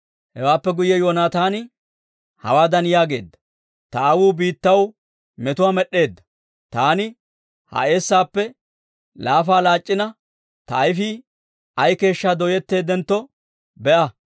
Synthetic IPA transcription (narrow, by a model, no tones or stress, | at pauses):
hɛwaːpːɛɡʊjːɛjoːnaːt̪aːnɪ | hɐ̰waːd̪ɐnjaːɡe̞ːd̪ːɐ | t̪ɐːwuːbiːt̪ːɐw | mɛt̪ʊwaːmɛɗːe̞ːd̪ːɐ̥ | t̪aːnɪ | hɐ̰ʔe̞ːsːaːpːɛ | laːfaːlaːt͡ʃʼːɪnɐ | t̪ɐːjfiː | ɐjke̞ːʃːaːd̪ɔjɛt̪ːe̞ːd̪ɛnt̪ːɔ | bɛʔɐ